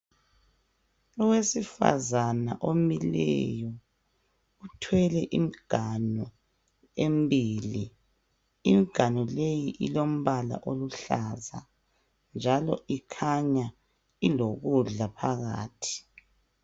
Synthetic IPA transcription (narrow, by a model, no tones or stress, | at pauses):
ɔwesifa̰zana̰ʔomilɛ̰jɔ | utʰwɛlɛʔim̩ɡ̥ʱanɔ | embiːli | imiɡ̥ʱanɔlejiʔilom̩βala̰ʔoluɬaza̰ | nd͡ʒʱalɔ̰ʔikʰaɲa | iloɣuɮapʰaɣa̰ːtʰi̥